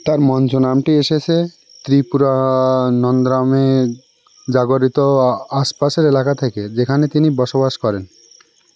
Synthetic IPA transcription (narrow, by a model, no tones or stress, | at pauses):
t̪aɾmɔnt͡ɕonamʈieʃet͡ɕʰe | t̪ɾipuɾanɔnd̪ɾame | d͡ʑaɡoɾit̪oaspaʃeɾelakat̪ʰeked͡ʑekʰanet̪inibɔʃobaʃkɔɾen